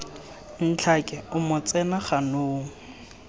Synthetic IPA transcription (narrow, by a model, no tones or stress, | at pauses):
n̩t͡ɬʰakʼɛʊmʊt͡sʼɛnaχanoːŋ̩